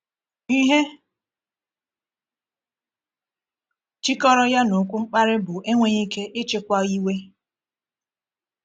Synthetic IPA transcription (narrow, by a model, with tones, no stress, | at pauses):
i˦ɦe˦ | t͡ʃi˦kɔ˦ɾɔ˦ja˦no˨kʷu˦ŋ͡m̩˦k͡pa˦ɾɪ˦bʊ˨ʔe˦ŋʷe˦ɲi˦ke˦ʔɪ˦t͡ʃɪ˦kʷa˦i˦we˦